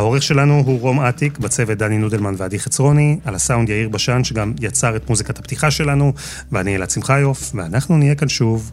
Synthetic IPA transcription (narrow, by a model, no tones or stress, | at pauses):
hao̞ʁeχʃe̞lanuɦuʁo̞matikbat͡se̞vet̚d̪aninudelmanveadiχet͡sʁo̞nialasaundjaiʁbaʃanʃe̞ɡamjat͡saʁetmuzikatapt̪iχaʃe̞lanu | veanielat͡simχajofveanaχnunijekanʃuv